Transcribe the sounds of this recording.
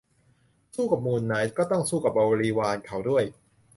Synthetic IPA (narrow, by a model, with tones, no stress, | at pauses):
suː˥˩ka˨˩p̚muː˨˩nːa˩˦˥jkɔː˥˩t̪ɔ˥˩ŋsuː˥˩ka˨˩p̚ʔa˧wɾiː˧waː˧nkʰa˦˥wdu˥˩əj